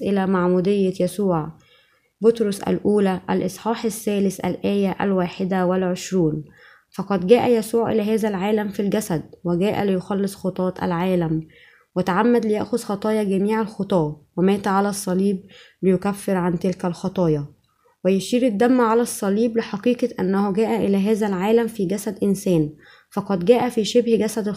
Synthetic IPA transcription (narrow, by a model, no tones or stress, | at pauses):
ʔɪlæmaʕmuːd̪ɪjːajæsuːʕ | bʊt̪ɾosʔæ̰lʔuːlæʔælʔɨsˤħɑːħasːæːlɪsʔæ̰lʔæːjæʔæ̰lwaːħɪd̪æwælʕeʃɾuːn | fɑqɑd̪ɡæːʔæjæsuːʕʔɪ̰læːɦæːzælʕaːlæmfilɡæsæd̪̚wæɡæːʔæ̰lɪjoxɑlːɨsˤxot̪ˤɑːt̪ˤʔæ̰lʕaːlæm | wɪt̪aʕamːæd̪lɪjæʔxozxɑt̪ˤɑːjɑɡæmiːʕalxot̪ˤɑːwemæːt̪ʕalæsˤːɑliːblɪjʊkæfːeɾʕant̪ɪlkælxɑt̪ˤɑːjɑ | wɪjeʃiːɾɪd̪ːæmːʕalæsˤːɑliːblɪħɑqiːqɑʔænːæhoɡæːʔæʔɪlæːɦæːzælʕaːlæmfiːɡæsæd̪ʔɪnsæːn | fɑqɑd̪ɡæːʔæfiːʃebhɡæsæd̪